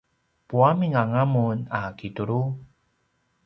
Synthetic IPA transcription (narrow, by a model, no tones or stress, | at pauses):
puamiŋaŋamunakituɾu